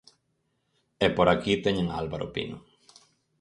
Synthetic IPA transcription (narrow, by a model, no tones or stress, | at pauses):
ɛpoɾakit̪eɲẽŋaalβaɾo̰pḭno̰